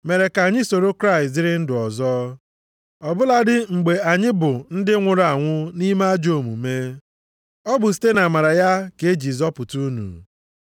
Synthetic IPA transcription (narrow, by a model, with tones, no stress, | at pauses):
me˨ɾe˨ka˨ɲɪ˦so˨ɾo˦kɾa˦ɪ˨st̬dɪ˦ɾɪ˦n̩˦dʊ˨ɔ˨zɔ˦ | ɔ˨bʊ˦la˦dɪ˦ŋ͡m̩˨ɡ͡be˨a˨ɲɪ˦bʊ˨n̩˦dɪ˦ŋʷʊ˨ɾa˨ŋʷʊ˦ni˦ma˦a˦d͡ʒo˨mṵ˨me˦ | ɔ˦bʊ˨s̬i̥˦te˦na˨ma˨ɾa˨ja˦ke˨˦d͡ʒi˨zɔ˦pʊ˨tu˦nṵ˨